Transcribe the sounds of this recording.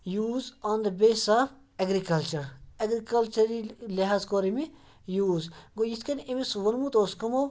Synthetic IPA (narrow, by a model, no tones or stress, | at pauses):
juːzɔːnd̪əbeːsaːf | ɐɡɾikɐlt͡ʃɐɾɐɡɾikɐlt͡ʃɐɾiliɦaːzkoːɾimi | juːzɡojiskɐnimisʋɐnmut̪oːskɐmo